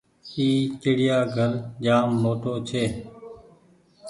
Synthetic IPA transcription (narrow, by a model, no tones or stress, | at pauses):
iːkeːɽɪjaːɡʱəɾd͡ʒaːmːoːʈoːt͡ʃʰeː